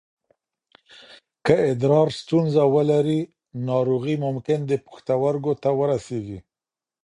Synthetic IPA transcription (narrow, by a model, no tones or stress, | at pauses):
kəɪd̪ɾɑɾst̪unzawəlaɾi | nɑɾoɣimʊmkɪnd̪əpḁxt̪awaɾɡot̪awəɾaseɡi